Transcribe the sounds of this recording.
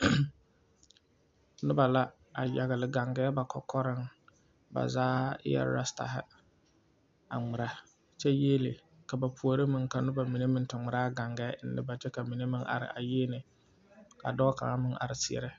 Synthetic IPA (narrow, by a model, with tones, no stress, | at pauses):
nʊ˦ba˨la˦ | a˨ja˨ɣɪ˨lɪ˨ɡa˨ŋɡɛː˦ba˨kʰɔ˨kʰɔ˦ɾɪ˦ŋ | ba̰˨zaː˦jɛ̰˦ɾ̰ɾa˦sta̰˨ɦɪ̰˦ | a̰˨ŋɪ˨ɾa˨ | t͡ʃɛ˦jeː˦lḭ˨ | ka˨ba˨pu˨a˨ɾɪ˦mɪ˦ŋka˨nʊ˦ba˨mi˨ne˦mɪ˦n˦tʊ˨ŋ͡mʊ˨ɾaː˦ɡa˨ŋɡɛː˦n̩ː˦ɪ̰˦ba˨t͡ʃɛ˦ka˨mi˨ne˦mɪ˦ŋʔa̰˨ɾɪ̰˨ʔa̰˨jeː˦nɪ˨ | ka̰˨dɔ˦ka̰˨ŋa˦mɪ˦ŋʔa̰˨ɾɪ˨sɪ˨ɛ̰˨ɾɛ˦